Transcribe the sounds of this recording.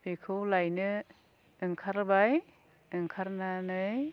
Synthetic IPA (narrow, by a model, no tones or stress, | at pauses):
bikʰɯwlajnɯ | ɯŋkʰaɾbaj | ɯŋkʰaɾnanɯj